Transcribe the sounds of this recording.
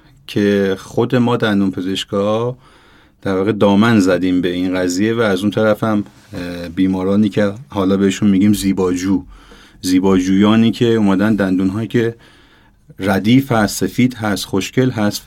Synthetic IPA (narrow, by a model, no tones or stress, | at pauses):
cʰe̞xo̞d̪e̞mɒːd̪ænd̪uːnpʰe̞ze̞ʃɡɒ | t̪ʰæɾvɒːɣe̞d̪ɒːmænzæd̪iːmbe̞inɣæzije̞væːzunt̪ʰæɾæfæm | biːmɒːɾɒːniːcʰehɒːlɒːbe̞heʃunmiːɡiːmziːbɒːd͡ʒuː | ziːbɒːd͡ʒuːjɒːniːcʰe̞umæd̪ænd̪ænd̪uːnɦɒːjicʲʰe̞ | ræd̪iːfhæst̪se̞fiːd̪̥ɦæst̪xo̞ʃcʰe̞lɦæst̪